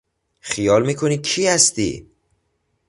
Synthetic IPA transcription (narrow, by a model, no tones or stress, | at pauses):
χijɒːlmiːkʰoniːcʰihæst̪ḭ